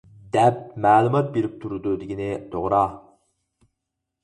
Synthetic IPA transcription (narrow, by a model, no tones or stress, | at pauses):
d̪ɛp̚mæːlˠumɑt̪̚beɾɪp̚t̪ʰuɾɨd̪ud̪ɪɡʲinɪt̪ʰoʁɾɑ